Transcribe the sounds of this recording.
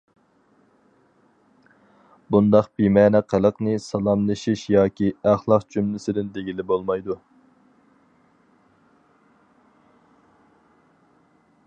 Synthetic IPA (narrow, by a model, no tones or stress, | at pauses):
bund̪ɑqb̥imɛːnɛqʰælˠəqnɨsɑlˠɑmlˠɨʃiʃjɑːkʲiæχlˠɑqd͡ʒʰymlɪsɪd̪ɪnd̪eɡʲilɪbolˠmɑjd̪u